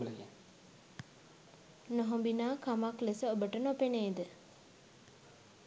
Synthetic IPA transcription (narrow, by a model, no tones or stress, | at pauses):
lɡe | noɦombinaːkamaklesəobəʈənopeneːd̪ə